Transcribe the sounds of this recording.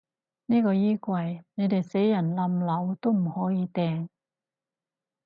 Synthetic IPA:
niː˥kɔː˧jiː˥kʷwɐ˧jne˨˧jt̪e˨jse˨˥jjɐ˨˩nlɐ˨˧mlɐ˨˧wt̪o˥wm̩˨˩hɔː˨˥jiː˧t̪ɛː˧ŋ

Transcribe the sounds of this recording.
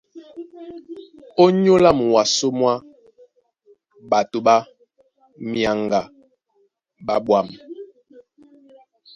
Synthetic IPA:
o˦ɲo˦la˦˨m˨wa˨so˦mwa˦ | ɓa˨to˨ɓa˦ | mja˨ŋɡa˨ | ɓa˦ɓwa˦˨m

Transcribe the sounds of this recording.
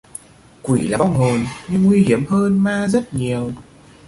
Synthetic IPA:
kwḭ˧˩laː˨˩ɓa˧wŋ͡mɦho˨˩nɲɨ˧ŋŋwi˧hi˧˩˨əmhəː˧nmaː˧zə˦˥t̚ɲi˨˩əw

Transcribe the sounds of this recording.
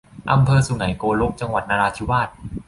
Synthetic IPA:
ʔa˧mpʰɤː˧su˨˩ŋa˩˦jkoː˧lo˦˥k̚t͡ɕa˧ŋwa˨˩t̪̚naː˧ɾaː˧t͡ɕ̪ʰi˦˥waː˥˩t̪̚

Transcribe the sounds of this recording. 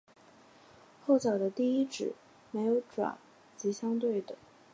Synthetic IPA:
xo˥˩ʊt͡ɕjɑ˨˩d̪ə˦t̪i˥˧i˥ʈ͡ʂɻ̩˨˩˦ | me˧˥ɪjo˧˥ʊʈ͡ʂwa̰˨˩˦n | t͡ɕi˧˥ɕjɑ˥ŋt̪we˥˩ɪd̪ə˩

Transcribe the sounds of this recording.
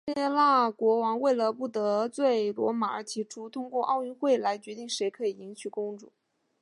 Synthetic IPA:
ɛ˥˧la˥˩kwɔ˧˥wɑ˧˥ŋwe˥˩ɪlə˩pu˥˩t̪ɤ˧˥t͡swe˥˩ɪlwɔ̰˧˥ma˨˧˩ə˞˧˥t͡ɕ̪ʰi˧˥ʈ͡ʂʰu˥t̪ʰʊ˥ŋkwɔ˥˧ʔɑ˥˧ʊy˥˧nxwe˥˩ɪla˧˥ɪt͡ɕɥɛ˧˥t̪i˥˩ŋʂe˧˥ɪkʰɤ˧˥i˨˩i˧˥ŋt͡ɕʰy˨˩kʊ˥ŋʈ͡ʂʊ̰˥˩˦

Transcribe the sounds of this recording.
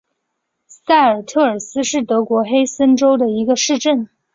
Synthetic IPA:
sa˥˩ɪə˞˨˩t̪ʰɤ˥˩ə˞˨˩sɹ̩˥ʂɻ̩˥˩t̪ɤ˧˥kwɔ˧˥xe˥ɪsə˥nʈ͡ʂo˥ʊd̪ə˨i˧˥ɡə˧ʂɻ̩˥˧ʈ͡ʂə˥˩n

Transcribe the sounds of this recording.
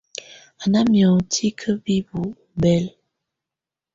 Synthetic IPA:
a˨na˦mjɔ˨tʰi˦kʰə˦bi˦bu˨ | bɛ˦l

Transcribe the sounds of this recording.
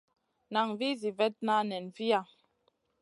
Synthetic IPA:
na˨ŋvi˦zi˨vɛ˦t̚na˦nɛ˨nvi˦a˦˨

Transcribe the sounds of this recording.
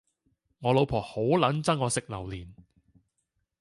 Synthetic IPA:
ŋɔː˨˧lo˨˧wpʰɔː˨˩ho˨˥wlɐ˨˥nt͡sɐ˥ŋːɔː˨˧sɪ˨k̚lɐ˨˩wliː˨˩n

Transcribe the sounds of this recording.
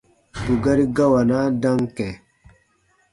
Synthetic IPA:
bu˨ɡa˦ɾi˦ɡa˦wa˨na˦da˦ŋkɛ˨

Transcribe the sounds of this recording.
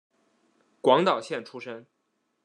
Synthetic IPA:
kwɑ˧˥ŋt̪ɑ˨˩ʊɕjɛ˥˩nʈ͡ʂʰu˥ʂə˥ŋ

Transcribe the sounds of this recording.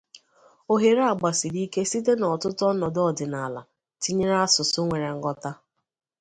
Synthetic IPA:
o˦ɦe˨ɾa˨ɡ͡ba˨si˨ɾi˦ke˦si˦te˦nɔ˨tʊ˦tɔ˦nɔ˨dɔ˦˨dɪ˨na˨la̰˨ | ti˦ɲe˦ɾa˦sʊ˨sʊ˦ŋʷe˨ɾe˨ŋ̩˦ɡɔ˦ta˦

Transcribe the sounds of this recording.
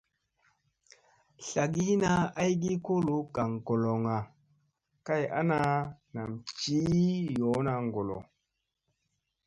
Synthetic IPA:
ɬa˨ɡi˦hi˦na˦a˦jɡi˦ko˦lu˨˦ka˨ŋko˨lo˨ŋa˨ | ka˦ja̰˦na˦na˨mt͡ʃiː˦jɔ˨˦na˧ŋɡo˨lo̰˨

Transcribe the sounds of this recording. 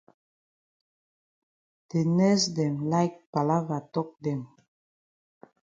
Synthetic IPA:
d̪̥e˨nɛ˦sd̪ɛ˨mla˦jk̚pa˨la˦va˨t̪ɔ˦k̚d̪ɛ˨m

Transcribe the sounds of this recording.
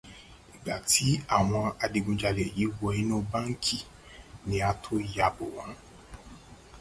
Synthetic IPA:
i˨ɡ͡ba˨tʰi˨˦a˦˨w̃ɔ̃˧a˧di˧ɡũ˧d͡ʒa˧lɛ˨ji˨˦wɔ˧i˦nũ˦ba˦ŋ̩˦kʰi˦˨ | nĩ˧˦a˧tʰo˦ja˧bo˨w̃ã˨˦

